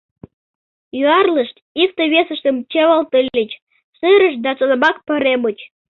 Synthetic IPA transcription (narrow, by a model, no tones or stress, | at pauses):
jyɑrləʃt̪ | ik̚t̪əβesəʃt̪əmt͡ɕeβɑlt̪əlʲːət͡ɕ | ʃɨɾəʃd̪ɑt͡sonəmɑk̚pəɾemət͡ɕ